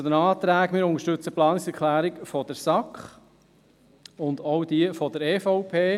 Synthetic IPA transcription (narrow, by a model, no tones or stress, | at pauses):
t͡sʊd̪ənɑːt̪ɾæːɡmɪːɾʊŋəɾʃtʉt͡səplɑːnɪksɛɾkʰlæːɾikfɔd̥̪əɾsɑkχ | ʊndɔwd̥̪iəfɔd̥̪əɾeːfɔʊpʰeː